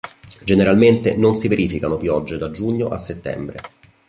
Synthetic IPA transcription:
d͡ʒeneɾalment̪ḛnonsiveɾiːfikanopjɔd͡ʒːed̪ad͡ʒuɲːoʔasːet̪ːɛ̰mbɾḛ

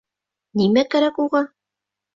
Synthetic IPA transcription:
nimækæɾækuʁɑ

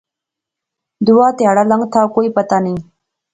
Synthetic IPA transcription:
d̪uwɑːt̪eaɽalaŋt̪ʰɑːkojpat̪ani

